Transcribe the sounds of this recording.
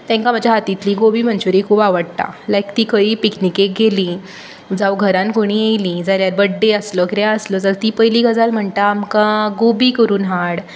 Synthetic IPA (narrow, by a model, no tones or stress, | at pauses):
t̪ɛ̃ŋkam̤ad͡ʑjaɦat̪it̪liːɡobiːm̤ənt͡ɕuɾekʰuːbaʋəɽt̪a̰lajkt̪iːkəiːpiknikek̚ɡʱelĩ | d͡zawɡʱəɾãnkoɽ̃iːejlĩd͡zaljaɾbəɖːeəslɔkɾaəslɔd͡zalt̪iːpəjliːɡəd͡zalm̤əɳt̪aːmkaɡobiːkəɾuːnɦaɽ